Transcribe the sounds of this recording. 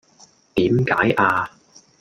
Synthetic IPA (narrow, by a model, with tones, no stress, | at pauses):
t̪iː˨˥mka̰ː˨˥jʔaː˧